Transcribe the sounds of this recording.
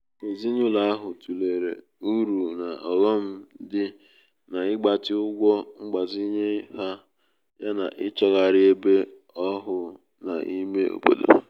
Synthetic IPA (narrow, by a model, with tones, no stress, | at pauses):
ke˨zi˦ɲʊ˦la˨a˦ɦʊ˨tu˨le˨ɾḛ˨ | u˦ɾu˨na˨ʔɔ˨ɣɔ˦m̩˦dɪ˦ | na˨ɪ˦ɡ͡ba˨tɪ˦ʊ˦ɡʷɔ˦ŋ͡m̩˦ɡ͡ba˨zi˦ɲe˦ha˦ | ja˦na̰˨ʔɪ˦t͡ʃɔ˦ɣa˨ɾɪ˦e˦be˦ | ɔ˦ɦʊ˨ | na̰˨ʔi˦me˦ʔo̰˨bo̰˨do̰˨